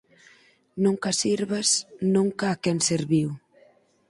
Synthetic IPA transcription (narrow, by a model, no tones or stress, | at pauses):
nũŋkasiɾβasnũŋkaːkɛnseɾβiw